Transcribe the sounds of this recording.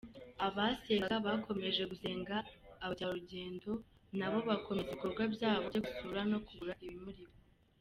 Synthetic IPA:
aβaseaβakʰo̞me̞ʒe̞ɡuze̞ːŋɡaːβaɾuɟe̞ːndo̞ | naβo̞βakʰo̞meziko̞ɾɡwabjaːβoɟoɡutuɾano̞kuβuɾaʔiβimuɾiβo

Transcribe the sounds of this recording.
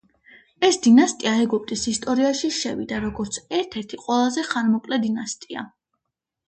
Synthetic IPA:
ɛsd̪inast̪ʼiaɛɡɔp̚ʼt̪ʼisist̪ʼɔɾiaʃiʃɛvid̪aɾɔɡɔɾt̪sʰɛɾt̪ʰɛɾt̪ʰiqʼwɛlˠazɛχaɾmɔkʼlɛd̪inast̪ʼia̰

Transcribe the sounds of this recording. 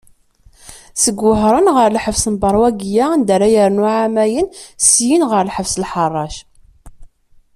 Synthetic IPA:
səɡːəɦɾˤənʁəɾˤlħəvsənbɑɾˤwæɡjand̪əɾajəɾnuʕamæjənsjinʁəɾlħəvslħɑrˤːɑʃ

